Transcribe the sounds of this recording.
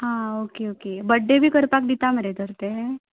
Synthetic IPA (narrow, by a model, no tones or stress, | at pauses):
ɦãokeokebəɖːebʱiːkəɾpak̚d̪it̪aməɾed̪ʱəɾt̪e